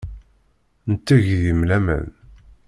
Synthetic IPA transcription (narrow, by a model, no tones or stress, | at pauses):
nət̪ːæʝðimlæmæ̰n